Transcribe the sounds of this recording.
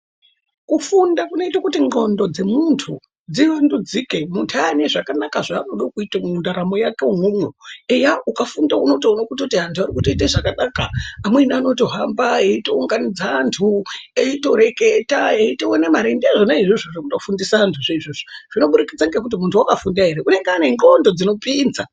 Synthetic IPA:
kufundakuno̞itakutiŋɡo̞ndo̞d͡ze̞muntʰu | d͡ziʋandud͡zike̞muntʰuaneʐakanakaʐaːnoɗokuitamundaɾamo̞jake̞uŋumweejaukafundauno̞tounokutkutiantʰuaɾikutoiteʐakanakaːmweniano̞to̞ɦambaeito̞uŋɡanid͡zaːntʰueito̞ɾe̞ketaeitowonemaɾendeaʐonaiʐiʐoʐekutofundisaantʰuʐeiʐoʐoʐ̥ino̞ɓuɾikid͡zaŋɡe̞kut̬imuntʰuwakafundaɦeɾeune̞ŋɡeaːne̞ŋɡondo̞d͡zino̞pind͡za

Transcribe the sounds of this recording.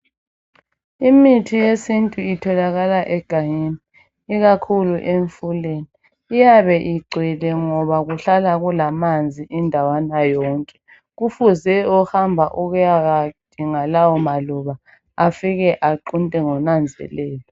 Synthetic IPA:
imitʰijesintʼuitʰɔlaɣalaʔɛɡ̥ʱajiniː | ɣakʰuluʔeɱfuleːniː | jaβɛʔiɡ͡ǀʱwɛlɛŋɔβaɣuɬalaɣulamand͡zʱiʔindʱawanajɔːŋkʼɛ̥ | ɣufuzɛɔhambʱaʔuɣujaɣad̥ʱiŋalawɔmaluβa | afiɣɛʔaǃuntʼɛŋɔnand͡zʱɛ̰lɛːlɔ

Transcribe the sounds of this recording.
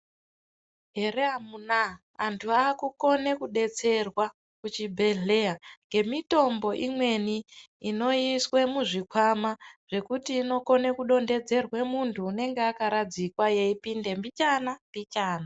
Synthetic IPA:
ɦeɾeamunaː | ntʰuaːkuko̞ne̞kuɗe̞t͡se̞rwa | kut͡ʃibʱeɮeaŋɡe̞mito̞mbo̞ʔimwe̞niː | no̞iswe̞muʐikwamaʐ̥e̞kutiːno̞ko̞nekuɗo̞nde̞d͡ze̞rwe̞muntʰuːne̞ŋɡeakaɾad͡zikwaje̞ipinde̞mbit͡ʃanambit͡ʃaːna

